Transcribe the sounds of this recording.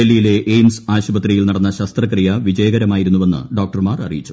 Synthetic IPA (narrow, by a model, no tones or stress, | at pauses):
elːijile̞ʔejnsaːɕubɐt̪rijilnɐɽɐnːɐɕɐst̪rɐkrijɐʋid͡ʑɐjɐɡɐɾɐmaːjiɾunːuʋe̞nːɨ̰ɖo̞ːk̚ʈɐrmaːrɐ̰rḭjit͡ɕːu̥